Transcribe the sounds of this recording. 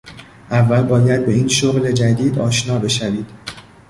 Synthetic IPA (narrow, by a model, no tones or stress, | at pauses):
ʔævːælbɒːjæd̪̚be̞iːnʃoɣle̞d͡ʒæd̪iːd̪ɒːʃnɒːbe̞ʃæviːd̪̥